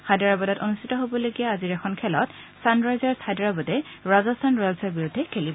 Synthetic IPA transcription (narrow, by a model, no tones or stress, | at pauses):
kʰajdaɹabɔdatonustʰitɔɦobɔloɡijaaziɹɛkʰɔnkʰɛlɔt | sanɹajzɔɹshajdaɹabɔdɛ | ɹazɔstʰanɹɔlsɔɹbiɹudʱːɛkʰelibɔ